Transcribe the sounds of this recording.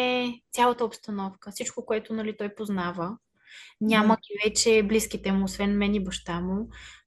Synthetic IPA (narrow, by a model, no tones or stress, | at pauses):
ɛt̪sʲalˠət̪əopst̪ɐnɔfkəfsit͡ʃkokoɛt̪ʊnɐlit̪ɔjpoznavə | nʲaməɡʲivɛt͡ʃɛblisk̟it̪ɛmʊːsvɛnmɛnibɐʃt̪amu